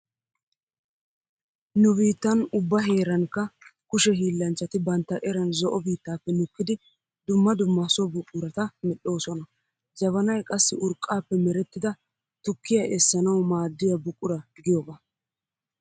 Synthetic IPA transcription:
nʊbiːt̪ːɐnʊbːɐɦe̞ːɾɐŋkːɐkʊʃɛɦiːlːɐnt͡ʃːɐt̪ɪbɐnt̪ːɐʔɛɾɐnzɔʔɔbiːt̪ːaːpːɛnʊkːɪd̪ɪ | d̪ʊmːɐd̪ʊmːɐsɔbʊkʼːʊɾɐt̪ɐmɛɗo̞ːsɔnɐ | d͡ʒɐβɐnɐjkʼɐsːɪʔʊɾkʼːaːpːɛmɛɾɛt̪ːɪd̪ɐ | t̪ʊkːɪjɐʔɛsːɐnɐwmaːd̪ːɪjɐbʊkʼːʊɾɐɡɪjoba

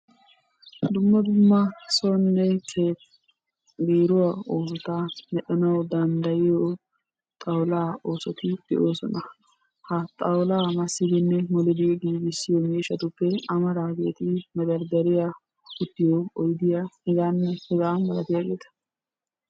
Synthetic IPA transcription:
d̪ʊmːɐd̪ʊmːɐsɔnːɛkʰeː | beːɾʊwaoːs̬ɔt̪amɛɗɛnɐwd̪ɐnd̪ɐjɪjo | t̪ʼɐwlaːo̞ːsɔt̪ɪd̪̥ɛʔoːsɔ̰nɐ | hɐt̪ʼɐwlaːmɐsːɪd̪ɪnːɛmɔlɪd̪ɪjɛɡiːɡɪsːɪjomeːʃːɐt̪ʊpːɛɐmɐɾaːɡe̞̰ːt̪ɪmɐd̪ɐɾd̪ɐɾɪja | hʊt̪ːɪjoɔjd̪ɪjahɛɡaːnːɛhɛɡaːmɐlɐt̪ɪjaːɡeːt̪ɐ̥

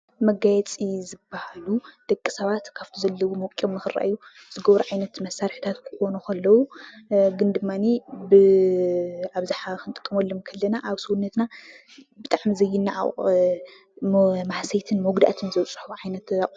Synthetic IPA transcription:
mɐɡajɛt͡sʼizɨbːahalud̪̥ɐkʼːi̥sɐβat̪kʰaft̪ʰizɐlːɐwumɐwkʼomːɨxɨɾa̰ʔjːu | z̥ɨɡɐβɾuʕajnɐt̪mɐsːaɾħi̥t̪ʰat̪kʰɨ̥xo̞nukʰɐlːɐwuɡɨnd̪ɨmːanibɨ | aβzɨħakʰɨnt̪ʼɨkʼːɐmɐlːɐmkʰɐlːɐnaʔaβsuunːɐt̪na | bɨt̪ʼaʕmizɐjːɪnːaʕa̰ʔ | maħsɐjt̪ʰɨnmowɡd̪a̰t̪ʰɨnzɐwt͡sʼħuʕajnɐt̪a

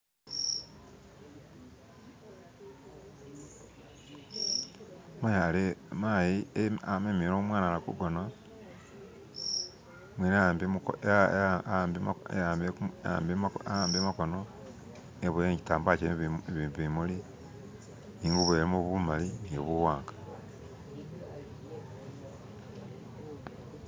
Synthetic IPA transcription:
malemajiamemiɾomwaːnalakṵɡona | mwinːmb | mḛaːmbea̰ːmbeaːmbemakono | eβujeɲɟitaːmbat͡ʃeβiimuli | niːŋɡuβweɾemoβumalinijoβuwaːŋɡḁ

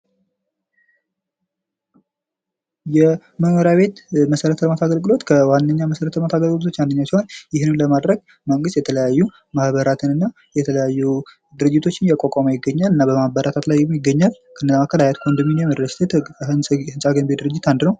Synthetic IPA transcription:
jɛ | məhməɾjaβe̞t̪məsəɾət̪ʰələmat̪ʰaɡəlɡɨlo̞t̪kʰəwanːəɲːaməsəɾət̪ələmat̪ʰaɡəlɡɨlot̪ʰo̞t͡ʃːwand̪əɲːasihonjɪhnɨmləmad̪ɾəɡ̚ | məŋɡɨst̪jɛt̪ʰələjajːu | mahβəɾat̪ʰɨnɨnːa | jɛt̪ʰələjajːu | d̪ɨɾɨd͡ʒːɪt̪ʰo̞t͡ʃːɪnjɛkʷʼokʼaməjɪɡːəɲːalɨnːabəmahbəɾʔat̪ʰat̪lajːɛmjɪɡːəɲːal | kʰənːəzakʰəlajat̪kʰʼond̪ɨminjɛmədəst̪ʰet̪ɨnʼhɨnsʼaɡənbed̪ɨɾɨd͡ʒːɪt̪and̪ɨnəw

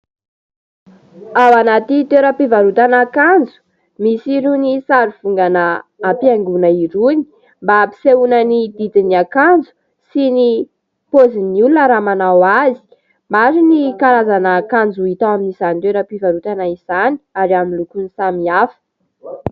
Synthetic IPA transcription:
awanat̪it̪eɾəpivaɾut̪anakand͡zu̥ | misiɾunisaɾiv̥uŋɡanəːpiaŋɡunəiɾuni̥ | mbapi̥seunənid̪id̪iniakand͡zu̥ | sini | poziniulunəɾamanawazi̥ | maɾinikaɾazanaːkand͡zuit̪aaminisant̪eɾəpivaɾut̪anaiz̥ani̥aɾiaminlukunisamiafə̥

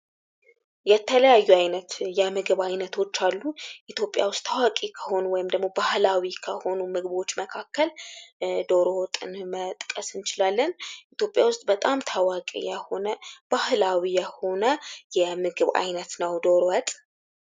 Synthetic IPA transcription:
jɛt̪ʰələjajːuajnət̪jɛmɨɡɨβajnət̪ʰo̞t͡ʃːalːuʔit̪ʰjo̞pʼja̰wʊst̪ʰːawakʼikʰəho̞nuwɔjɪmd̪əɡmo̞bahlawikʰəho̞numɨɡbo̞t͡ʃːməkʰakːəl | d̪o̞ɾot̪ʼɨ̰nmət̪ʼkʼəsɨnt͡ʃɪlalːənʔit̪jo̞pʼjawʊst̪ʼbət̪ʼamt̪ʰawakʼḭjɛho̞nəb̥ahlawijɛho̞nəjɛmɨɡɨβa̰jnət̪nəwd̪o̞ɾowət̪ʼ

